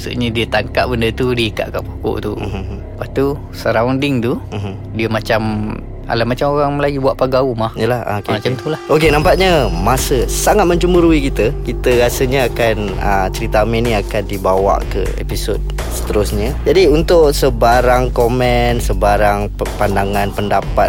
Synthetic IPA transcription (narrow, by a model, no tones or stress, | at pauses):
asṵʔɲədiət̪aŋkaʔ̚bəndət̪udiika̰ʔka̰ʔpoko̰ʔt̪u | paht̪u | səɾawndɪŋt̪uɦ | diəmat͡ʃam | a̰lamat͡ʃamoɾaŋməlajubuaʔpaɡaumahijəlahkemat͡ʃamt̪ulahok̬enampaʔɲəmasəsaŋat̪̚mə̃ɲt͡ʃumbəɾuikit̪əkit̪əɾasəɲəakan | ət͡ʃəɾit̪amɛniakandibawa̰ʔkə̰ḛpisod̚ | sə̥t̪əɾʊsɲəd͡ʒadiunt̪ʊʔsəbaɾaŋkomɛnsəbaɾaŋpəpandaŋanpəndapat̪̚